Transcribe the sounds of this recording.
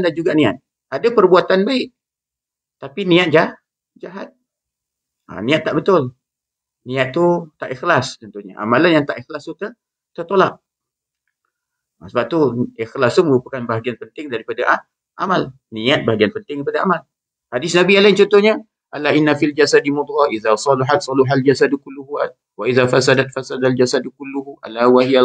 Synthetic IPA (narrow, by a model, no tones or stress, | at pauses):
ndand͡ʒuɡaʔnĩat̪̚ | adapərbuat̪anbaɪʔ | t̪apinĩat̪̚d͡ʒa | d͡ʒaɦat̪̚ | a̰nĩat̪ːaʔbət̪ʊl | nĩat̪ːut̪aʔixlast̪ənt̪uɲa̰ʔa̰malanjaŋt̪aʔixlast̪ut̪ə | t̪ərt̪olaʔ̚ | asəbap̚t̪uixlast̪uməɾupakanbaɦaɡianpənt̪ɪŋdaɾipadaʔa | ʔa̰mal | nĩat̪̚baɦaɡianpənt̪ɪŋdaɾipadaʔamal | hadɪsnabialaɪnt͡ʃɔnt̪ohɲa | ʔalaʔinːafild͡ʒasadimud̪ɾaʔiðasˤɑliħat̪sˤɑlɪɦald͡ʒasadkulːuɦua | waʔiðafasadat̪̚fasadald͡ʒasadkulːuhuʔa̰lawaɦija